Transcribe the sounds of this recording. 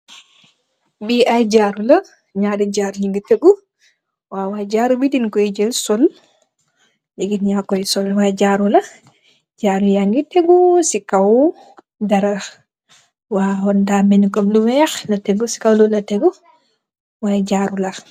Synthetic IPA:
biʔajd͡ʒaɾula | ɲadɛd͡ʒaɾliŋɡiteɡu | wawad͡ʒaːɾubidinkɔjd͡ʒɛlsɔl | liɡinɲakɔjsɔlwad͡ʒaɾula | d͡ʒaːɾujaŋɡiteɡusikaw | daɾa | wahɔndamɛnkɔmdumɛxnateɡusi̥kawlɔlateɡu | wajd͡ʒaɾula

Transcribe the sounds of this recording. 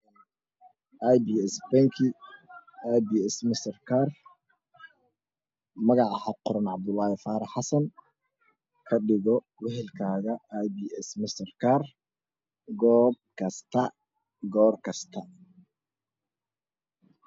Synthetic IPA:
ajbiːɛsbɛŋkʰi | ajbiːɛsmɪst̪ɐrkʰaːr | mɐɣɑʕɑħɑqʊɾɐnʕɑb̚d̪ʊlːaːhɪfaːɾɑħɑsɐn | kʰɐɖɪɣɔ | wɛɦɛlkʰaːɣɐjbiːɛsmɪst̪ɐrkʰaːr | ɡɔːb̚kʰɐst̪ʰɐ | ɡɔːrkʰɐst̪ʰɐ

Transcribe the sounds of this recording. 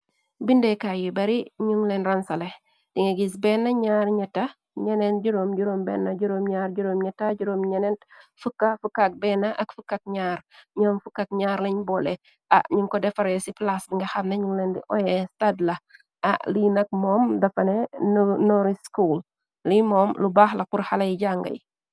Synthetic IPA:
bindɛkajibɐɾiɲuŋlenɾansɐle | d̥iŋeɡis̬bɛnːɐɲaːɾɲɛta | ɲɛnend͡ʒuɾomd͡ʒuɾoːmbɛnːɐɟuɾoːmɲaːɾɟuɾoːmɲɛtaɟuɾomɲɛnentfukːafukːak̚bɛnaʔɐkfukːak̚ɲaːɾɲɔːmfukːak̚ɲaːɾlɐɲbɔlɛ | aɲuŋkɔdɛfɐɾɛsiplasdiŋɡɐxɐmnɐɲuŋlɛndḭʔɔjɛstadlɐ | aʔlinɐk̚mɔːmdɐfɐnɛnnɔɾiskul | limɔmlubaːxlɐquɾhɐlɐjiɟaŋɡɐ̰j

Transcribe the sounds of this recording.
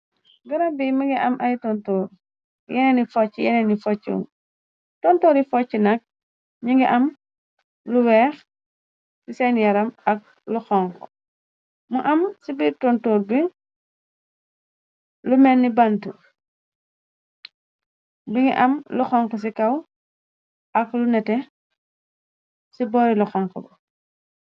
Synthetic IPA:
ɡɐɾɐmbimuŋɡiʔɐmʔɐjtɔntoːɾ | jɛnɛnifɔt͡ʃːijɛnɛnifɔt͡ʃːṵŋ | tɔntoːɾifɔt͡ʃːinɐk̚ | ɲiŋɡiʔɐm | luwɛːx | sisɛnjɐɾɐmɐk̚ | luxɔŋkɔ̰ | muʔɐmsibitɔntɔːɾbi | lumɛnːibantu | biŋɡḭʔɐmluxɔŋkɔs̬ikɐw | ʔɐklunɛtɛ | sibɔːɾiluxɔŋkɔbɐ

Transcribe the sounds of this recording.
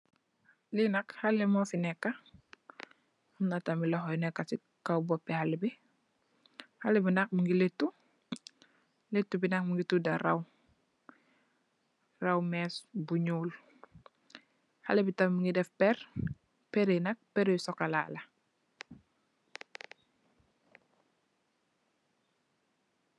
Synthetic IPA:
linɐkhɐlːɛmɔfinɛkːɐ | umnatɐmilɔxɔjnɛkːɐsi | kawbɔpːɛhalibi | halibinɐk̚muŋɡiletːu | letːubinɐk̚muŋɡitudɐrɐw | rɐwmɛsbuɲuːl | halibitɐmmuŋɡidɛfpɛr | pɛɾenɐk̚pɛɾejsɔkɐla̰ːlɐ

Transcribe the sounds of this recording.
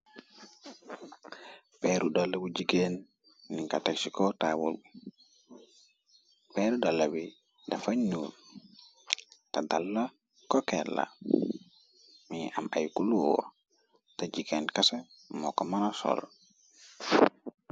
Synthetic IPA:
pɛɾudalːabud͡ʒiɡɛnː | iŋkataksikɔtawṵlbu | pɛɾudalːawi | dafaɲnuːl | tadalːa | kɔkɛla̰ | miama̰jkuluwɔ̰ | tad͡ʒiɡɛnkasa | mɔkɔmanasɔ̰l

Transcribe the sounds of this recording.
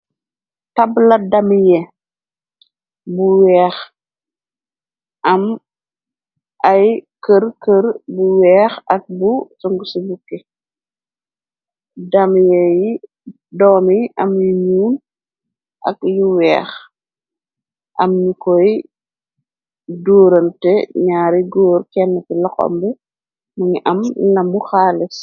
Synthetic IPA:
tɐblɐdɐmjɛ | buwɛːx | ʔɐm | ʔɐjkəɾkəɾbuwɛːxɐk̚busɔŋɡəsubukːe | dɐmjɛji | dɔːniʔɐmjuɲuːn | ʔɐ̰kjuwɛːx | ʔɐ̰mɲukɔj | doːɾɐntɛɲaːɾiɡoːɾkɛnːɐtilɔxɔ̰mbɛ | mɐŋiʔɐmlɐmuxaːlis

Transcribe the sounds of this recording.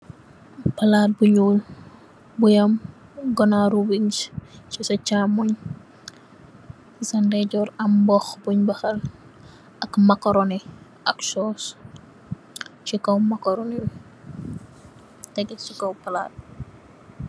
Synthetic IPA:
pɐlaːt̚buɲuːl | bujɐm | ɡɔnaɾuwiŋst͡ʃisɐt͡ʃaːmɔɲ | sɐndɛɟɔɾɐmbɔxbuɲbɐxɐl | ɐkmɐkɔɾɔnɛ | ʔɐksɔːs | t͡ʃikɐwmɐkɔɾɔniw | tɛɡɛsukɐwpɐla̰ːt̚

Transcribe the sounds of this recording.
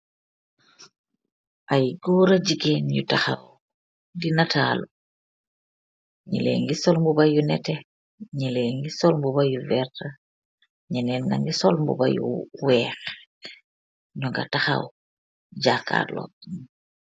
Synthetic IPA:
ʔajɡɔːɾaɟiɡenjutaxaw | dinatʰalu | ɲḭlḛːŋɡisɔlmbubajunɛtɛ | ɲileŋɡisɔlmbubajuvɛɾta | ɲɛnɛnna̰ŋɡisɔlmbṵba̰jṵwɛːx | ɲɔŋɡa̰taxa̰w | ɟakːa̰ːlɔ̰

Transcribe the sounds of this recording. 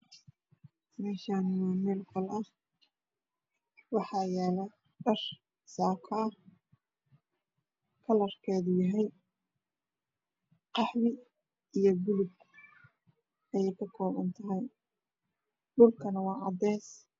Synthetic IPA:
mɛːʃaːnɪwɑːmɛːlkʰɔlʔɐh | wɑħɑːjɛːlɐ | ɖɐr | saːkʰɐː | kʰɐlɐrkʰɛːðʊjɐɦɛj | qɑħβɪ | ʔijɞbʊlʊɡ | ɛjɛjkʰɐkʰɔːβɐ̰nt̪ʰɐɦɛj | ɖʊlkʰɐnɐwɑːʕɑd̪ɛːs

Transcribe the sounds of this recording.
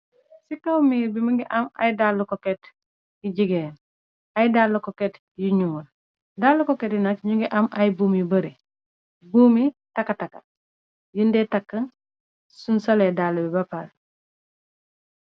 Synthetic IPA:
sikawmiːɾbimuɡiʔɐma̰jdalːukokɛt | jiɟiɡeːn | ajdalːukoket | jiɲul | daːlːukoketinɐkɲuŋɡiʔɐmʔɐjbuːmibɐɾe | buːmitɐkːataka | jundɛtakːɐn | sunsoledalːubibapal

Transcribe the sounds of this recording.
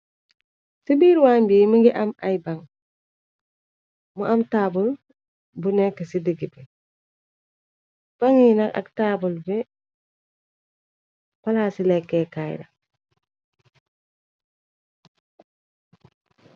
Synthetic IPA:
sibiɾwambiːmiŋɡiʔama̰jbaŋ | muʔamtaːbul | bunɛkːasidiɡibe | b̥aŋinaka̰ktaːbulbe | palaːsilekːekaj̰da̰

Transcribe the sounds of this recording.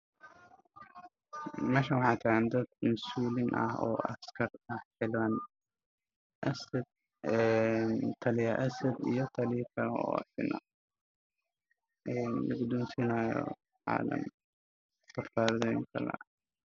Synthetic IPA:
mɛːʃɐwɑħɑːt̪ʰaʕnd̪ɐd̪̚mɐsuːlɪnʔɐ̰hɔ̰ːʔɐ̰skʰɐrʰɐħɪlwan | ʔɐsɐd̪̚ | ɛnt̪ʰɐlɪjɐʔɐsɐd̪ijɔt̪ʰɐlɪkʰɐlɔ̰ːɐ̰sɪ̰nɐ̰ | ʔɛːnlɐɡʊd̪uːnsɪnaːjɔ̰ | ʕa̰ːlɐ̰m | bɐrt̪ʰaːɾðɔjŋkʰɐ̰lɐ̰

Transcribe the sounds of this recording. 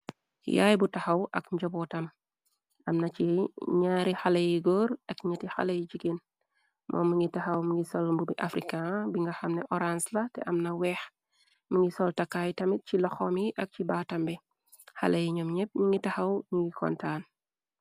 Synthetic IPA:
ja̰ːjbutɐxɐwʔɐkɲɟɔbɔtɐm | ɐmnɐt͡ʃiɲaːɾixalɐjiɡɔːɾɐkɲɐtixa̰lɐjiɟiken | mɔ̰ːməŋɡitɐxɐwmiŋɡisɔlmbubiʔafɾikːabiŋɡɐxɐmnɛʔɔɾanslɐtɛ̰ʔɐmnɐwɛːx | məŋɡisɔltɐkːajtɐmit̚cilɔxɔmiʔɐk̚cibaːtɐmbi | ha̰lɐjiɲɔmɲɛp̚ɲiŋɡitɐxɐwɲiŋɡikʰɔ̰ntaːn

